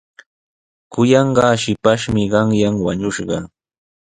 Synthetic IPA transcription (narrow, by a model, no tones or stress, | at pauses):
kʊjɑɴɢɑːʃɪpaʃmɪɢɑŋjaŋwa̰ɲʊʃɢɑ̰